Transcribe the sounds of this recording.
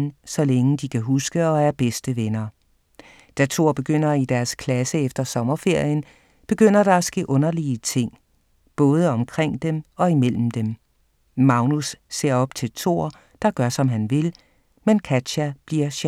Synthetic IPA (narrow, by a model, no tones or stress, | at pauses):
sɒ̽leŋəd̥ikʰæɦusɡ̥əɒ̽æɐb̥esd̥əʋenɐ | d̥æt͡sʰo̝̰ːɐ̰b̥e̝ɡ̥øn̰ɐid̥æɐskʰlæsəefd̥ɐsɒ̽mɐfe̝ɐ̰jən | b̥e̝ɡ̥øn̰ɐɾ̥ɑ̈æsɡ̥e̝̰ːʔɔ̽nɐliət͡sʰe̝ŋ̰ | b̥ɔ̽ːð̞ˠəɒ̽mkʰʁeŋ̰d̥emɒ̽imel̰m̩d̥em | mɑ̈ʊnusːe̝ɐ̰ɒ̽b̥̚t͡sʰe̝lt͡sʰo̝̰ːɐ | d̥ɑ̈ɡ̥ɶɐsɒ̽mɦænʋe̝l | menkʰæd̥ɕæb̥liɐ̰ɕ